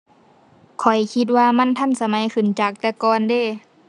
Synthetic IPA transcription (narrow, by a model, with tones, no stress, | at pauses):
kʰɔ˨˩jkʰi˧t̪̚waː˧ma˧˥˨nt̪ʰa˧˥˨nsa˧ma˨˦jkʰɯ˨˩nt͡ɕaː˨˩k̚t̪ɛː˧˦kɔː˧ndeː˧˥˨